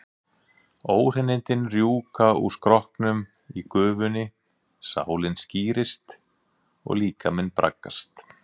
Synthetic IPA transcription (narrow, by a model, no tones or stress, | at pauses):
oːwr̥ɪnːɪnt̪ɪnrjuːkauskɾɔhknʏm | ikʏːvʏnɪ | sa̰ːwlɪnsciːɾɪst̪ | ɔ̰ɣliːkamɪnpɾa̰kːa̰st̪